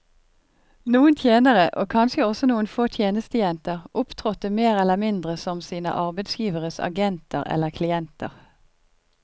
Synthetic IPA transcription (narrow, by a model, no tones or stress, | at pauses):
nuːənt̪ʰjeːnəʁəʔoːkʰɑnʃəɔsɔnuːənfoːt̪ʰjeːnəst̪əjɛnt̪əʁʔʊpt̪ʰʁɔt̪əmeːʁɛləmɪnd̪ʁəsɔmsiːnə̰ʔɑʁbɛd̪sjiːʋəʁəsɑ̰ɡɛnt̪ə̰ʁɛ̰lːəʁkʰlɪɛnt̪ə̰ʁ